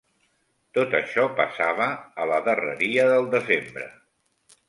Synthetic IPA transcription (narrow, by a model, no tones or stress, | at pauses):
t̪ot̪əʃɔpəsaβəːləðərə̰ɾiəðəlˠd̪əzembɾə̰